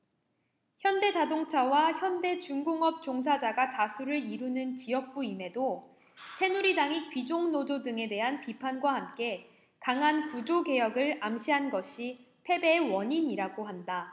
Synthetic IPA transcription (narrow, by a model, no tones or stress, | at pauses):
çjʌnde̞d͡ʑadoŋt͡ɕʰawaçjʌnde̞t͡ɕuŋɡoŋʌp̚t͡ɕoŋs̬ʰad͡ʑaɡatasʰuɾɯɾiɾunɯnt͡ɕijʌk̚k͈uime̞do | sʰe̞nuɾidaŋikɥid͡ʑoŋnododɯŋe̞de̞ɦanpipʰanɡwahamk͈e̞ | kaŋanpud͡ʑoɡe̞jʌɡɯɭamɕʰiɦanɡʌɕʰi | pʰe̞be̞ːwʌɲiɲiɾaɡoɦanda